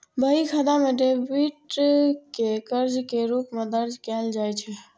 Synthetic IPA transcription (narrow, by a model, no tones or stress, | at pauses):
bəɦikʰəd̪ameɖebiʈkekəɾd͡ʒkeɾokmed̪əɾd͡ʒkɛld͡ʒajt͡ʃʰɛ